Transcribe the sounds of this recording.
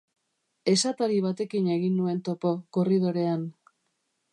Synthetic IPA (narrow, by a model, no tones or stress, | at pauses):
e̞sat̪aɾiβ̞at̪e̞kine̞ɣinːue̞nt̪o̞po̞koriðo̞ɾe̞an